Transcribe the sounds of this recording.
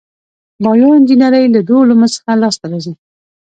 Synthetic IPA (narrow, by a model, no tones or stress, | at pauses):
bɑjoɪnd͡ʒinaɾəjlad̪oluməsə̥xalɑst̪aɾɑzi